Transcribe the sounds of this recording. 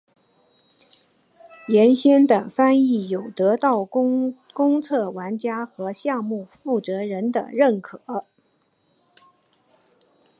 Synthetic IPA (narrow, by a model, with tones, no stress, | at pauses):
jɛ˧˥nɕjɛ˥nd̪ə˨˩fa˥ni˥˩jo˨˩ʊt̪ɤ˧˥t̪ɑ˥˩ʊ | kʊ˥ŋt͡sʰɤ˥˩wa˧˥nt͡ɕja˥xɤ˧˥ɕjɑ˥˧ŋmu˥˩˧fu˥˩t͡sɤ˧˥ɻə˧˥nd̪ə̰˧ɻə˥˩nkʰɤ˨˩˦